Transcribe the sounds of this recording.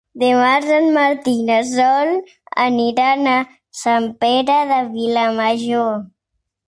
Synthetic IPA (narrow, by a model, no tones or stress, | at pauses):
d̪emaɾsanmaɾt̪inas̬ɔl | a̰niɾana | sampeɾaðəβilamaʒo